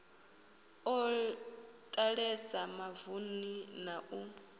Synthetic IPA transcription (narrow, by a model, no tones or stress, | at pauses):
ɔ | tʼaɺɛsamavuninaʔu